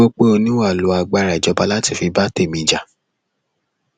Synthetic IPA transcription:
o˦k͡pe˦o˧nĩ˦wa˦˨lo˨˦a˧ɡ͡ba˧˦˨ɾa˨d͡ʒɔ˨˧ba˧˦la˦ti˧˨fi˧ba˦te˦˨mĩ˧˨d͡ʒa˨

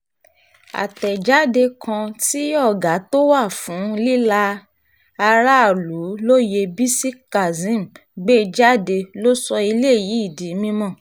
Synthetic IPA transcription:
a̰˨tɛ˨d͡ʒa˨˦de˧kʰã˧ti˦ɔ˦˨ɡa˨˦to˦wa˦˨fũ˨˦li˦la˧ | a˧ɾa˦a˦˨lu˨˦lo˦je˧bi˦si˦ka˨zĩ˦˨m | ɡ͡be˦˧d͡ʒa˦de˧lo˦sɔ˧i˧le˦˨ji˨˦i˦˨di˨˦mĩ˧mɔ̃˦˨

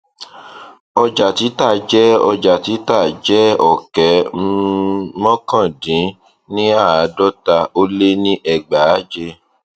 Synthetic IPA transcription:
ɔ˧d͡ʒa˨ti˨˦ta˦˨d͡ʒɛ˦ɔ˧d͡ʒa˨ti˨˦ta˦˨d͡ʒɛ˦ɔ˦˨kɛ˨˦ | mɔ̃˦kã˦˨dĩ˨˦ | nĩ˦a˦˨a˨˦dɔ˦ta˧o˦le˦nĩ˦ʔɛ˧˨ɡ͡ba˨˦d͡ʒe˧

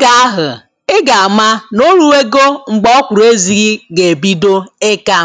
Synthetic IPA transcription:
ɡa˨a˦ɦʊ˨ | ɪ˦ɡa˨a˨ma˦no˦ɾu˦e˦ɡo˦ŋ͡m̩˨ɡ͡bɔ˦ɔ˦kʷu˨ɾe˦zi˦ɣi˦ɡe˨bi˦do˦e˦ka˦

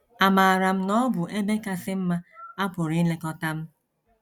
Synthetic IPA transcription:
a˨ma˨a˨ɾa˨m̩˦nɔ˦bʊ˨ʔe˦me˦ka˦sɪ˦m̩˦ma˦a˦pʊ˨ɾi˦le˦kɔ˦ta˦m̩˦

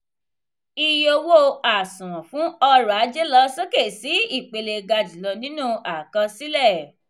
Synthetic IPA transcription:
i˧jo˧wo˦a˨sũ˨w̃ɔ̃˨fũ˨˦ɔ˧ɾa˨˦d͡ʒe˦lɔ˦so˦ke˦˨si˨˦i˦˨k͡pe˧le˧ɡa˧di˨lɔ˧nĩ˦nũ˦a˨kã˧si˦lɛ˦˨

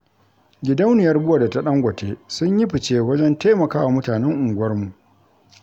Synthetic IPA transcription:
ɡʲɪ˨˦dɐ˦wnɪ˨jɐ˦rbʊ˦wa˨da˨ta˦ɗɐ˦ŋɡʷɐ˨tʰeː˦sʊ˦ɲji˦ɸɪ˨t͡ʃeː˦wɐ˦d͡ʒɛ˦nta˦mɐ˨kaː˦wa˨mʊ˦taː˨nɛ˦ŋʔʊ˨ŋɡʷʊ˦wɐ˦rmu˨ʔ

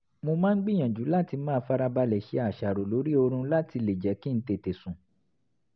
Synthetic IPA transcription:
mo˧mãː˦n̩˦ɡ͡bi˦˨j̃ã˨d͡ʒu˨˦la˦ti˧mãː˦˧˦fa˦ɾa˧ba˧lɛ˨ʃi˦a˨ʃa˨ɾo˨lo˨˦ɾi˦o˧ɾ̃ũ˧la˦ti˧le˨d͡ʒɛ˨˦ki˦n̩˦te˨te˨sũ˨

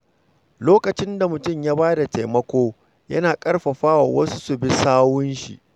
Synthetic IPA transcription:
loː˦kɐ˨t͡ʃɪ˦nda˨mʊ˨tʊ˦˨mjaː˦baː˦da˨ta˨jmɐ˦kʷoː˦ | jɐ˦naː˨kʼɐ˦rɸɐ˨ɸaː˦wa̰˨wɐ˦su̥˦su˨bi˦saː˦wʊ˦nʃḭ˨ʔ

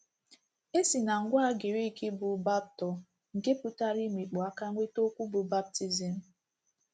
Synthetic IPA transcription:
e˦si˨na˨ŋ̩˨ɡʷa˦a˦ɡɪ˨ɾi˦˨kɪ˦bʊ˨ba˦b̚tɔ˨ | ŋ̩˨ke˦pʊ˦ta˦ɾi˦mi˨k͡po˨a˦ka˦ŋʷe˦to˦kʷu˦bʊ˨ba˦b̚ti˦zi˨m̩˦

